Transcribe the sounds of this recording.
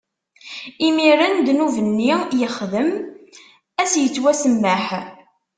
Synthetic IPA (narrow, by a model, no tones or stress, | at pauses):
imiɾənd̪nuvənːijəχðəm | æsjət͡sːwæsəmːəħ